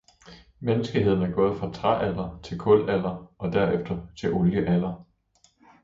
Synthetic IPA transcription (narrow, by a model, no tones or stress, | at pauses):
menəsɡ̥əɦe̝ð̰ˠn̩æɐɡ̥ɔ̽ːð̞̩ˠfʁɑ̈t͡sʰʁaʔælɐt͡sʰe̝lkʰɔ̽l̰æl̰ɐɒ̽d̥æɐ̰efd̥ɐt͡sʰe̝lʔoljəʔælɐ